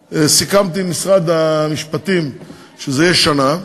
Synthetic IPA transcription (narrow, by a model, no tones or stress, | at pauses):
esikamt̪imisʁad̪amiʃpat̪im | ʃezejeʃana